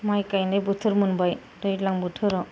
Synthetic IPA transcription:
majkajndajbutʰɯɾmɯnbaj | dɔjtlaŋbutʰɯɾɔ

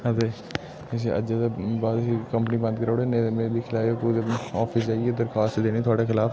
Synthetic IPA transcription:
əd̪eː | s̬iʔə̰d͡ʒeːd̪ebaːt̪sikəmpəniːbə̃nd̪̚kəɾoːɽeːneːmeːbiːkʰɪlaːjoːkueɔːfʰɪs̬d͡ʒaːiɡeːd̪əɾkʰaːst̪ːd̪eːniːt̪ʊaːɽekʰɪlaːf

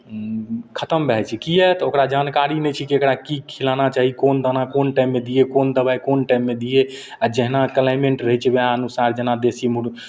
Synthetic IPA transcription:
kʰət̪əmbʱɛt͡ʃʰikijɛt̪okɾad͡ʒankaɾinɛt͡ʃʰikiekɾakikʰilanat͡ʃaɦikond̪ənakonʈaimːed̪ijekond̪əbajkonʈaimːed̪ije | ad͡ʒɛɦnakəlajmeɳʈɾəɦɛt͡ʃʰɛbeaənusaɾd͡ʒeɦnad̪esimuɾ

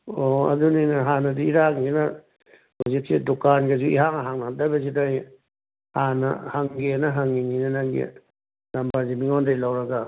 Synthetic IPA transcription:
oɐ̰duninɐɦanɐdiiɾaŋɡinɐ | huzik̚sidukanɡezuiɦaŋaɦaŋnadabazidaj | hanɐ̰haŋɡenɐɦaŋiŋinanaŋɡḛ | lambaɾzimiŋondajlawɾɐɡa

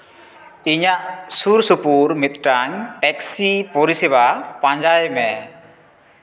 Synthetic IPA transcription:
iɲaʔsuɾsupuɾmit̪̚ʈaŋʈɛksipɔɾisɛβapaɲd͡ʒajmɛ

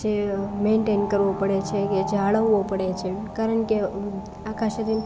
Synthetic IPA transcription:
d͡ʒemeɳʈenkəɾʋopəɽet͡ʃʰeked͡ʒaɭəʋːopəɽet͡ʃʰekaɾəɳke | akaʃəɾi

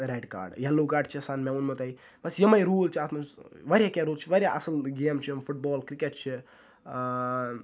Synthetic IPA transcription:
ɾeɖka̰ːɾɖjɐlːukaːɾɖt͡ʃʰisaːnmeunmɐt̪ɐi | bɐsjɐmɐjɾuːlt͡ʃʰaːt̪mɐsʋɐɾʲjakʲaɾuːlt͡ʃʰiʋɐɾʲjaʔɐsɐlɡeːmt͡ʃʰimfuʈ̚bɔːlkɾikeʈ̚t͡ʃʰi

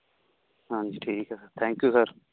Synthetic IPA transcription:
ɦãnd͡ʒiːʈʰiːkɛsəɾt̪ʰɛ̃ːŋkjuːsəɾ

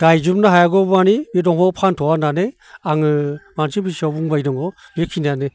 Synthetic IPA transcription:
d̥ajzumnaɦajaɡɔbanibidɔŋhɔpʰantʰɔwanane | aŋɯmansibisabuŋbajdɔŋɡɔ | bikʰinane

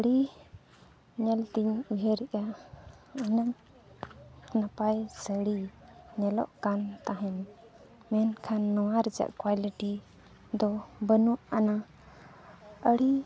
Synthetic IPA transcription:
əɽi | ɲɛlt̪iɲuɦɛɾɛʔa | ənəŋ | napajsəɽiɲɛlɔ̰ʔkant̪aɦɛn | mɛnkʰanːɔwaɾɛd͡ʒa̰ʔkwaliʈi | d̪ɔbənuʔana | əɽi

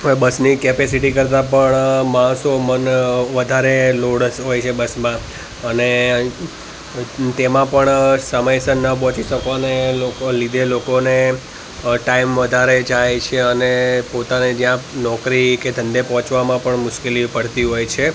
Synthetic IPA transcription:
bəsnikepesiʈikəɾt̪̬apəɳmãɦsomənʋəd̪ʱaɾeloɽsɦojt͡ʃʰebəsmã | əne | t̪emãpəɳsəməjsənːəp̬ɔ̃t͡ʃiʃəkʋaneloklid̪ʱelokone | ʈaimʋəd̪ʱaɾed͡ʒajt͡ʃʰeənepot̪aned͡ʒjãnɔkɾiked̪ʱə̃nd̪epɔɦɔ̃t͡ʃʋamãpəɳmʊʃkelipəɽt̪iɦojt͡ʃʰe

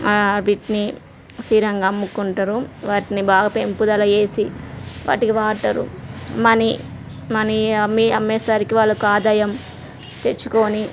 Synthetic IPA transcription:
biʈni | siːɾɐŋɡɐmːukuɳʈɐɾuʋaːʈinibaːɡɐpe̞mpud̪ɐlɐje̞ːsiʋa̰ːʈikiʋaːʈɐɾṵmɐni | mɐniɐmːiɐmːeːsaːɾikiʋaːɭːukaːd̪ɐjɐm | t̪e̞t͡ʃːu̥ko̞ːni

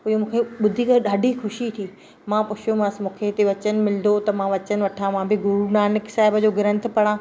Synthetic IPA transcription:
ʊɦomũːkʰeɓʊd̪ʱikəɗaːɖʱixʊʃit̪ʰiː | mãpʊt͡ɕʰjomasmũːkʰet̪eʋɐt͡ɕən̆mɪlɪn̆d̪ot̪ɐmãʋɐt͡ɕən̆ʋɐʈʰãmãbɪɡʊɾunaːnɪksaːɪbəd͡ʑoːɡɪɾə̃nt̪̆ʰpɐɽ̃ãː

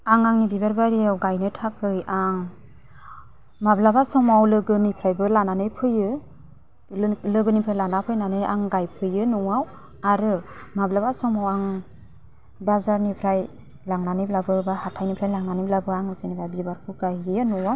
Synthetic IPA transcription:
aŋaŋnibibaɾbaɾijawɡajnɯtʰakʰɯjaŋ | mablabasɔmawlɯɡɯnipʰɾajbɯlananɯjpʰɯjɯ | lɯɡɯnipʰɾajlanapʰɯjnanɯjʔa̰ŋɡajpʰɯjɯnɔwaw | aɾɯmablabasɔmawaŋ | bazaɾnipʰɾaj | laŋnanɯjblabɯbahatʰajnipʰɾajlaŋnaniblabɯaŋɯzɯnibabibaɾkʰɯɡajjɯnɔwaw

